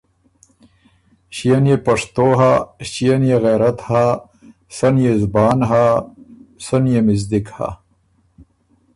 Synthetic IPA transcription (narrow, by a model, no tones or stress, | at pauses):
ɕijɐnjepɐʂt̪oːɦaɕijɐnjeɣeɾɐt̪ha | sɐnjezbaːnɦa | sɐnjemizd̪ikha̰